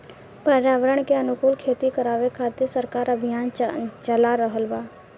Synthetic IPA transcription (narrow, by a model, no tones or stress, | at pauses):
pəɾaːʋəɾəɽ̃keənʊkuːlkʰeːt̪ikəɾaːʋekʰaːt̪eɾsəɾkaːɾəbʱɪjaːnt͡ʃəlaɾəɦəlbaː